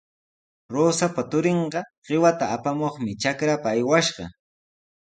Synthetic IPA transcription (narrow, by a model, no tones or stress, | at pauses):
ɾoːsapat̪ʊɾeɴɢɑɢ̥ɪwat̪aːpamoχmɪt͡ʃakɾapaːjwaʃɢɑ̰